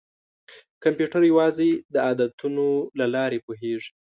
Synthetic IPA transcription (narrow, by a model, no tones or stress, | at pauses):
kampjuʈaɾjawɑzed̪əɑd̪at̪unolalɑɾepoɦeʐi̥